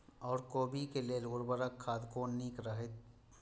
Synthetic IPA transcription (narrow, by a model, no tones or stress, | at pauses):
ɔːɾkoːbikelelʊɾbəɾəkʰːaːd̪koːnniːkɾəɦet̪